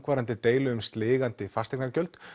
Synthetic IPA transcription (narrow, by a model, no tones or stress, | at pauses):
kvaːɾant̪ɪt̪eːjlʏʏmst̪lɪːɣant̪ɪfast̪ɛknaɾcœlt̪